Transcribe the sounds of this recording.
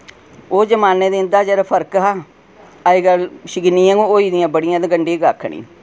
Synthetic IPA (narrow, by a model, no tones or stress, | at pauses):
oːd͡ʒəmaːneːd̪ẽnd̪aːd͡ʒeɾpʰəɾkɦaː | aiːɡəlʃɪɡɪniãɡooːiːd̪ɪjãːbəɽɪjãːd̪eɡəɳɖiːɡaːkʰɳḭː